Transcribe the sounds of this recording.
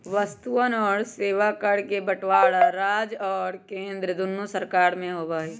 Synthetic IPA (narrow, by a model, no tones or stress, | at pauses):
ʋəst̪uənɔːɾseːʋakəɽkebəʈwaːɽaɾaːd͡ʒɔːɾkẽːnd̪ɾəd̪ʊnːusəɾkaːɾmẽɦoːʋaiː